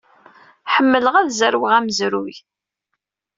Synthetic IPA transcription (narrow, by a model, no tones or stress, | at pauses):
ħəmːələʁæðzəɾwəʁæməzɾuj